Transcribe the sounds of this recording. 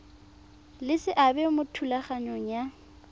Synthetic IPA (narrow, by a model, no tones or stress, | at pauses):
lɪsɪʔabɛmʊtʰulaχaɲoŋ̩ja